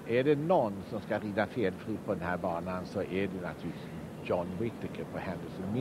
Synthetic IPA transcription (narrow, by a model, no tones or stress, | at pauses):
ʔæɖɛnɔnːsɔmskaɾiːd̪afeːlfɾiːpʰɔd̪ɛnhæːɾbɑːnansɔʔɛɖɛna̰t̪ʰʉː | jɔnwɪt̪ɪkʰəpʰɔhɛnd̪əlsənmɪ